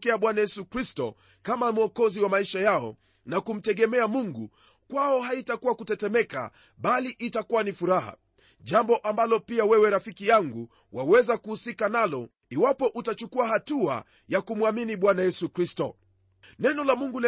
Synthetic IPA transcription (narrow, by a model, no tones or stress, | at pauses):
kɛaɓwanajɛsukɾistɔ̰ | kamamuɔkɔziwamaiʃajaɔ̰ | nakum̩tɛɠɛmɛamuŋɡu | kwaɔɦaitakuwakutɛtɛmɛka̰ | ɓaliʔitakuwanifuɾaha̰ | ʄambɔʔambalɔpiawɛwɛɾafikijaŋɡu | wʔawɛzakuhusikanalɔ | iwapɔʔutat͡ʃukuahatua̰ | jakumuaminiɓwanajɛsukɾistɔ | nɛnɔlamuŋɡulɛ